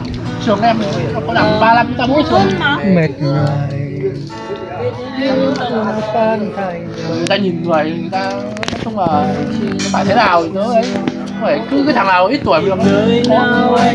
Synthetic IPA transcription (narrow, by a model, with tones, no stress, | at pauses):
t͡ɕɨ˨˩əŋʔɛ˧m˨˩˨ɔ˧˩ŋ͡mkɔ˨˧˦ɗa˧˩m˨ɓaː˧la˧m˧˨˦t̪aː˧mo̰˧˦˥jt͡ɕɨ˨˩əŋi˨˩˨me˨˩t̚ŋa˨˩j | ŋ˨˧tə˧n˧˩˨t̪aː˧ɲi˨˩nŋɨ˨˩əjŋɨ˨˩jt̪aː˧˦ | ta˦˥t͡ɕʊ˧ŋ͡mlaː˨˩ɔ˧˦faː˧˩t̪ʰe˨˦naː˨˩wi˨˩t̪ə˨˧˦ə˧jkɔ˧˦t̪ʰe˧˩kɨ˨˦kɨː˧˨˦t̪ʰa˨˩laː˨˩˨ʔi˦˥t̚t̪u˧˩ə˩˨˩m˨˩əː˨˧˦ɔ˧˦˥